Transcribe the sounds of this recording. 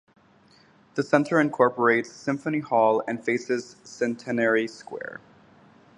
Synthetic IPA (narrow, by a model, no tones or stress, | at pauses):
ðɨsɛ̃ntʰə˞ɨ̃nkʰɔɹpə˞eɪtssɪ̃ɱfənihɔlˠɨ̰̃nfeɪsɪz̥sɛ̃ntʰɨnɛɹiskwɛ̰ɹ